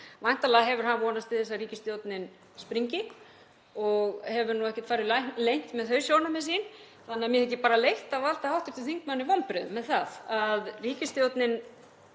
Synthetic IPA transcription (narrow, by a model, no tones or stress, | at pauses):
vajn̥t̪alɛːɣaɦɛvʏɾ̥ɦanvɔːnast̪ɪðθɛsːariːcɪst̪jowt̪nɪn | spɾiɲcɪk | ɔɣhɛvʏɾnuɛhcɛ̥t̪faːɾɪllejŋ̥t̪mɛðθœɥsjownamɛsin | θanɪamjɛðɛhcːɪpaːɾalejht̪aval̥t̪ahawht̪ʏft̪ɪθiŋkmanːɪvɔnpɾʏðʏmːɛðθaðaðriːcɪst̪jowt̪nɪn